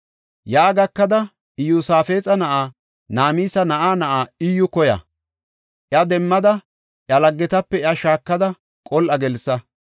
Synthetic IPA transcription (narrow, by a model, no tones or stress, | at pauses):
jaːɡɐkːɐd̪ɐ | ɪjuːsaːfe̞ːt͡sʼɐnɐʔaː | naːmiːsɐnɐʔaːnɐʔaːɪjːʊkɔjɐ̰ | ʔjɐd̪ɛmːɐd̪ɐ | ʔɐlɐɡːɛt̪ɐpːɛjɐʃaːkːɐd̪ɐ | kʼɔlʔɐɡɛlsːɐ